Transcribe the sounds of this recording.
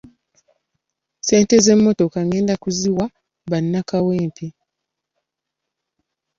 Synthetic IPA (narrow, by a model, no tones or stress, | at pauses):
se̞ːnte̞ze̞mːo̞to̞kaŋe̞ːndakuziwa | βanːakaweːmpi